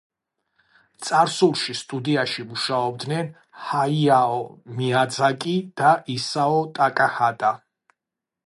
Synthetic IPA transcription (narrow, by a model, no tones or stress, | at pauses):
t̪sʼaɾsulˠʃist̪ʼud̪iaʃimuʃaɔbd̪nɛn | haiaɔmiad̪zakʼid̪̥aʔisaɔt̪ʼakʼahad̪ʼa